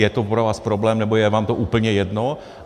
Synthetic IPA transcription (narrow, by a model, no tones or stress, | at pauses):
jɛt̪opɾovaːspɾoblɛːmnɛbojɛvaːmt̪oʔuːpl̩ɲɛjɛdno